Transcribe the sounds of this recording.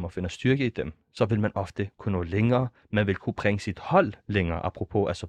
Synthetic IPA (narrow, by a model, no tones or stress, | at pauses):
mɒfe̝nəsd̥yɐɡ̥əid̥em | sɒ̽ʋe̝lmænʔɒ̽fd̥əkʰuno̰̽ːleŋɐː | mænʋe̝lkʰub̥ʁɛŋəsid̥hɒ̽l̰ːeŋɐːʔɑ̈pʰʁopʰoʔæsɒ̽